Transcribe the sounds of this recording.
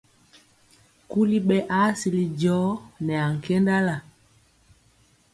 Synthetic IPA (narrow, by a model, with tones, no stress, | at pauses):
ku˦li˦ɓɛ˦ʔa˦si˨li˨ɟɔ˨˦nɛ˨a˨ŋ̩˨kɛ˦nda˦la˨